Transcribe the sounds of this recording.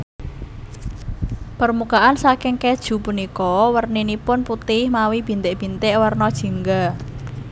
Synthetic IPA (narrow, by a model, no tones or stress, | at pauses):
pərmukaʔansakɪŋkɛd̥ʒ̥ṳpunikɔwərninipʊnput̪ɪhmawib̥i̤nt̪ɪʔb̥i̤nt̪ɪʔwərnɔd̥ʒ̥i̤ŋɡa